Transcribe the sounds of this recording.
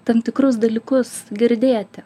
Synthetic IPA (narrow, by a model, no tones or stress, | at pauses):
t̪ɐmt̪ʲɪkɾʊsd̪ɐlʲiːkʊsɡʲɪɾʲd̪ʲeːt̪ʲɪ